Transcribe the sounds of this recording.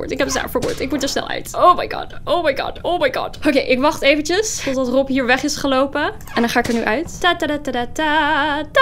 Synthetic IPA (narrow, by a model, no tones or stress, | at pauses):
ṵːɹtɪkɦɛpza̰ːɹfəɹbṵːɹtɪk̚mutəɹsnɛ̰lˠœ̰ɥtowmajɡɑ̰ːdowmajɡɑ̰dowmajɡɑ̰dokejʔɪkʋɑχtejvənt͡ʃəstɔtdɑtrɔpɦiːɹʋɛχɪsχəlowpə | ɛndɑ̃nχaːɪkəɹnyʔœɥttatːadatːadata